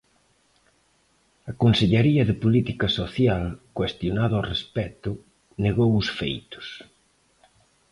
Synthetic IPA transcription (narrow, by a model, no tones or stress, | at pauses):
ɐkonseʎeɾiɐðɪpolit̪ikɐsoθjalkwest̪jonaðoarespɛt̪ʊ | neɣowʊsfḛjt̪ʊ̥s